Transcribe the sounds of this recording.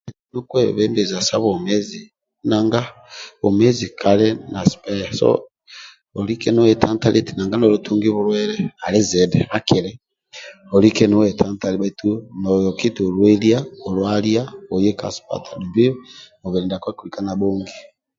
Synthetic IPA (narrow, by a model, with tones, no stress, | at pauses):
nu˦kwe˦βeː˦mbe˨za˨sa˦βomezi | naː˨ŋɡa˦ | o˨mezikʰa˨lena˨si̥pe˦jaso̰ | o˨li˦ke˦no˦we˨tʰa˦ntalʔitinaː˨ŋɡa˦nolutu˦ŋɡi˦βuɾwe˦ɾea˨le˦ze˨dea˦keɾe | o˨li˦ke˦no˦we˨tʰa˦nta˨li˦βaitunojo˨ki˦tulwe˦ljao˨lwalja˦o˨je˦ka̰˨si̥pa̰˨tʰa˨du˨bi˦ | o˨βe˨ɾiː˨nda˨kwa˦kulikanaβoːŋɡi